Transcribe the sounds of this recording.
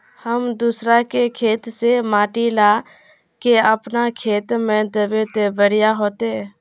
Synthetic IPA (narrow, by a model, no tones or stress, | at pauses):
həmd̪usɾakekʰeːt̪semaːʈila | keəpnakʰeːt̪mẽd̪əbet̪ebəɾijaɦot̪e